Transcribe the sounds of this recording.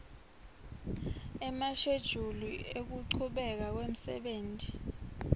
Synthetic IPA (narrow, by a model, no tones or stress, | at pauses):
ɛmaʃed̥ʒ̥ʱuluek̬uǀʰuɓɛk̬ak̬wem̩sɛ̰ɓeːntʼi